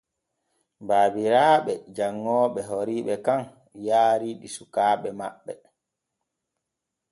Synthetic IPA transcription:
baːbiɾaːɓɛd͡ʒaŋːɔːɓɛɦoɾiːɓɛkaŋ | jaːɾiɗisukaːɓɛma̰ɓːɛ

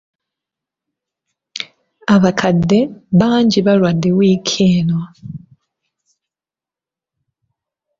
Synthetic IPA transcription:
aβakʰadːe̞βaːɲɟiβalwadewiːkʰeːnwa

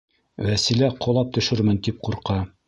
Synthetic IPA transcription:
wæsilæqʰŏlˠɑp̚t̪ɵ̆ʃɵɾmɘ̆nt̪ip̚quɾqɑ

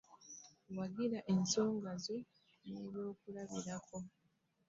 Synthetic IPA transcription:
waɡiɾaʔenso̞ːŋɡazi | neβjo̞ːkulaβiɾako̞

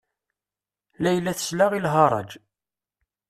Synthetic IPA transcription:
læjlːæθə̥slaʁilɦɑɾˤɑ̰d͡ʒ

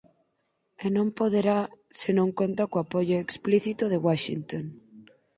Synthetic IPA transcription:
enõmpoðeɾa | senõŋkont̪akoapoʎoekspliθit̪oðeɣwaʃḭnt̪on

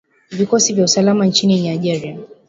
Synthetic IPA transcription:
vikɔsivjausalamant͡ʃiniɲaʄɛɾia

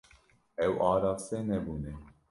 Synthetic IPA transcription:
ɛwʔɑːɾɑːfsɛnɛbuːnɛ

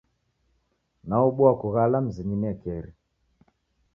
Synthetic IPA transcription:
naɔɓuakuɣalam̩ziɲinɛkɛɾi

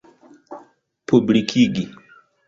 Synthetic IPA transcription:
pubɾikʰiɡi

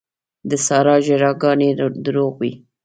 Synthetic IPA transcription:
d̪əsɑɾɑʒɪɾɑɡɑned̪ɾoɣwi

